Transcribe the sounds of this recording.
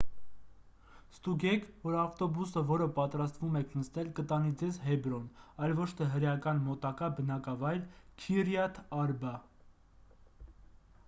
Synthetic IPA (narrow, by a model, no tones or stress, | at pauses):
st̪uɡɛkʰvɔɾɑft̪ɔbusəvɔɾəpɑt̪ɾɑst̪vumɛkʰnəst̪ɛlkət̪ɑnid͡zɛzɦɛbɾɔnɑjlvɔt͡ʃʰt̪ʰɛɦəɾjɑkɑnmɔt̪ɑkɑbənɑkɑvɑjɾkʰirjɑt̪ʰɑɾbɑ